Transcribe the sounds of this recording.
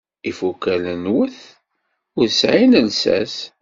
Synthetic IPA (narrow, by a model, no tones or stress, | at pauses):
ifukːælənwəθ | ʊɾsʕinəlsæ̰s